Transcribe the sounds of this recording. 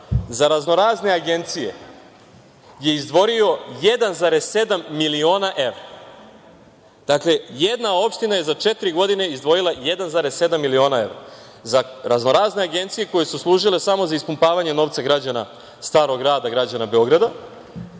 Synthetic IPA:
zaɾazno̞ɾaːzne̞aɡe̞nt̪sije | je̞izd̪ʋo̞ɾio̞jed̪anzaɾesse̞d̪amːilio̞ːnaʔe̞ʋɾa | d̪̥akle̞jed̪nao̞pʃt̪inaje̞zat͡ʃe̞t̪iɾiɡo̞d̪ine̞izd̪ʋo̞jilˠajed̪anzaɾe̞se̞d̪amːilio̞ːnae̞ʋɾa | zaɾazno̞ɾazne̞aɡe̞nt̪sije̞ko̞je̞suslˠuːʒile̞samo̞zaispumpaːʋaɲe̞no̞ːʋt̪saɡɾad͡ʑana̰ | st̪aːɾo̞ɡɾaːd̪aɡɾad͡ʑanabe̞o̞ɡɾad̪a

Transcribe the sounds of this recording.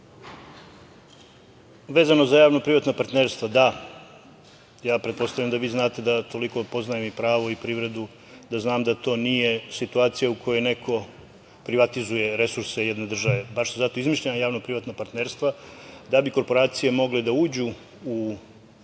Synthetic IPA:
ʋe̞ːzano̞zajaːʋnopɾiʋat̪napaɾt̪neɾst̪ʋad̪a | jaːpɾet̪po̞st̪avʎamd̪aʋiːznaːt̪e̞d̪at̪o̞liko̞po̞znajemipɾaːʋo̞ipɾiːʋɾe̞d̪u | d̪aznaːmd̪at̪o̞ːnije̞sit̪uaːt̪sijaukʰo̞jojne̞ko̞ | pɾiʋat̪izuje̞ɾe̞suɾse̞jed̪ne̞d̪r̩ʒaʋe̞baʃsezat̪o̞izmiʃʎanajaːʋnopɾiʋat̪napaɾt̪neɾst̪ʋad̪abiko̞ɾpo̞ɾaːt̪sije̞mo̞ɡled̪auːd͡ʑu | u

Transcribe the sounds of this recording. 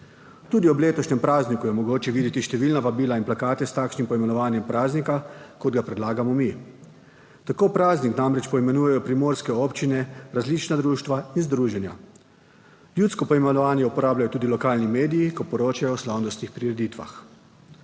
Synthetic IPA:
t̪uːd̪iɔbleːt̪ɔʃnɛmpɾaːznikujɛmɔɡoːt͡ʃɛʋiːd̪jɛt̪iʃt̪ɛʋiːlnaʋabiːlainplakaːt̪ɛst̪aːkʃnimpɔimɛnɔʋaːnjɛmpɾaːznikakɔd̪ɡapɾɛd̪laːɡamɔmi | t̪akoːpɾaːzniknamɾɛt͡ʃpɔimɛnuːjɛjɔpɾimoːɾskɛɔːpt͡ʃinɛɾazliːt͡ʃnad̪ɾuːʃt̪ʋainzd̪ɾuːʒɛnja̰ | ljuːt̪skɔpɔimɛnɔʋaːnjɛupɔɾaːbljajɔt̪uːd̪ilɔkaːlnimeːd̪ijikɔpɔɾoːt͡ʃajɔːslawnɔst̪nixpɾiɾɛd̪iːt̪ʋa̰x

